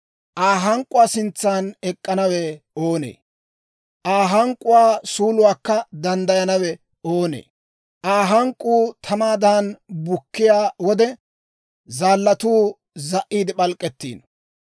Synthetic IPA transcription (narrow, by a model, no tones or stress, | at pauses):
ʔaːɦɐŋkʼːʊwaːsɪnt͡sːaːnɛkʼːɐnɐwɛ | o̞ːnḛː | ʔaːɦɐŋkʼːʊwaːsuːlʊwaːkːɐd̪ɐnd̪ɐjɐnɐwɛ | oːnḛː | ʔaːɦɐŋkʼːuːt̪ʰɐmaːd̪aːnbʊkːɪjaːwɔd̪ɛ | zaːlːɐt̪uː | zɐʔːiːd̪ɪpɐlkʼːɛt̪ːḭːn